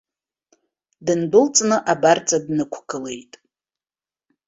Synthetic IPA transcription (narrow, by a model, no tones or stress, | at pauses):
dɨnbɨlt͡sʼnɨʔabart͡sʼadnɨkʷʰkɨle̞jtʼ